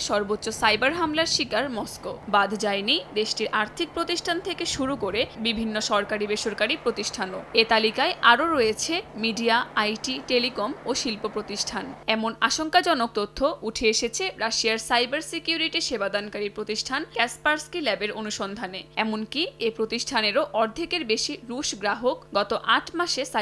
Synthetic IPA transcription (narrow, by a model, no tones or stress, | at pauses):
ʃɔɾbotːɕosajbaɾɦamlaɾʃikaɾmɔskobad̪ʱd͡ʑaenijd̪eʃʈiɾʔaɾt̪ʰik̚pɾot̪iʃʈʰant̪ʰekeʃuɾukoɾebibʱinːoʃɔɾkaɾibeʃoɾkaɾipɾot̪iʃʈʰanoet̪alikaeʔaɾoɾɔet͡ɕʰemiɖiaajʈiʈelikomoʃilpopɾot̪iʃʈʰanɛmonaʃoŋkad͡ʑɔnok̚t̪ot̪ʰːoʔuʈʰeeʃet͡ɕʰeɾaʃiaɾsajbaɾsikijuɾiʈiʃebad̪ankaɾiɾpɾot̪iʃʈʰankɛspaɾskilɛbeɾonuʃɔnd̪ʱaneɛmonkiepɾot̪iʃʈʰaneɾoʔɔɾd̪ʱikeɾbeʃiɾuʃɡɾaɦokɡɔt̪oʔaʈʰmaʃesa